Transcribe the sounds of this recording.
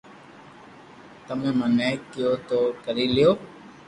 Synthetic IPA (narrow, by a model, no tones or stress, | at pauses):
t̪əmẽːmə̃ːnɛːkːɪjoːt̪oːkəɾiːlɪjoː